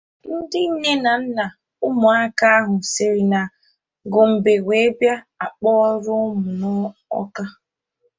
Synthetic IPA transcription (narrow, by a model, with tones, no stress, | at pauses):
n̩˦dɪ˦ɲe˦na˨n̩˦na˨ | ʊ˦mʊ˨a˦ka˦a˦ɦʊ˨se˨ɾi˨na˨ | ɡʊ˨m̩˨be˨ɡʷe˨e˦bja˦ | a˨k͡pɔ˦ɔ˦ɾʊ˦mʊ˨nɔ˦ɔ̰˦ka˦